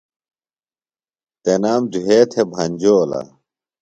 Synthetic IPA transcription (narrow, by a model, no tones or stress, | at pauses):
t̪enaːmd̪uɦeːt̪ʰebʱɐɲʲd͡ʑoːla̰